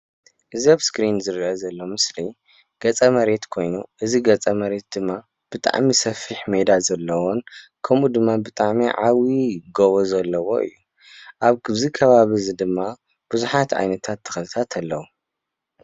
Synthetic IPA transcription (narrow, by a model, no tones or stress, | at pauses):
ʔɨzɐβskɾinzɨɾʔɐzɐlːo̞mɨsli | ɡ̥ɐt͡sʼɐmɐɾe̞t̪kʰo̞jnuʔɨziɡɐt͡sʼɐmɐɾe̞t̪̚d̪ɨmːa | b̥ɨt̪ʼa̰ʕmisɐfiħmed̪azɐlːɐwonkʰɐmud̪ɨmːabɨt̪ʼaʕmiʕawiɡoβozɐlːɐwo̞ɨ̰jːu | ʔaβkʰɨβzikʰɐβaβizɨd̪ɨmːa | b̥ɨzuħat̪ʕa̰jnɐt̪ʰat̪ʰːɐ̥xɐlɨt̪ʰat̪ʰalːɐwu